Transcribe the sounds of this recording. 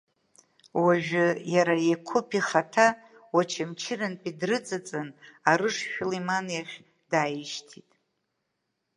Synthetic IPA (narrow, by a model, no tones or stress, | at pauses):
waʒᶣʊjaɾajekʷʰʊpʰiχatʰa | wat͡ʃʰamt͡ʃʰɪrɨnpʼidrɨt͡sʼat͡sʼanaɾɨʂʃᶣlimanjaχʲ | d̥aːjɪʃtʰitʼ